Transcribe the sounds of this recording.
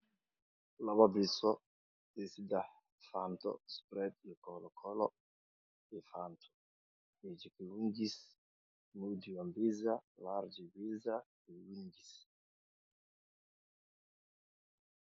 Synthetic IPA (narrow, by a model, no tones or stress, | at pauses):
lababisɔ | disid̪a | fant̪ɔ̰spɾɛt̪jɔkɔlɔkʰɔlɔ | ɛfant̪ʰɔ̥ | id͡ʒikiwind͡ʒis | mud̪iwambizalaɾd͡ʒɛwiza | iwiɲd͡ʒis